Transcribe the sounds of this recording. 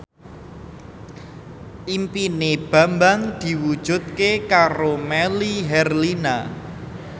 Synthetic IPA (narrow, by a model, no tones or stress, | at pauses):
ʔimpineb̥a̤mbaŋd̪̥i̤wud̥ʒ̥ṳt̪̚kekaɾomɛliɦɛrlina